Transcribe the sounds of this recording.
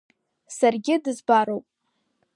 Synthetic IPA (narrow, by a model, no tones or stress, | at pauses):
sarɡʲɪdɨzbaɾowpʼ